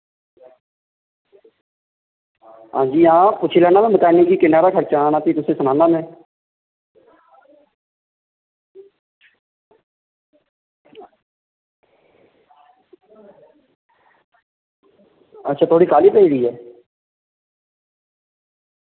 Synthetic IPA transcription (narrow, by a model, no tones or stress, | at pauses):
ɦã̰ːd͡ʒiːãːpʊt͡ʃʰiːlaːnãːmãːbəkaːnẽːɡiːkɪnːaːɾaːkʰəɾt͡ʃaːnaːt̪iːt̪ʊsẽːsənãːnãːmẽː | ətːʃʰaːt̪ʰoːɽiːkaːliːpəiːɾiːɦɛː